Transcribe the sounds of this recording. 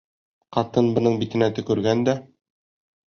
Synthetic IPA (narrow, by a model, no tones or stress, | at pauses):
qɑt̪ɤnbɤ̆nɤɴbit̪ɘ̆næt̪ɵ̆kʉɾɡænd̪æ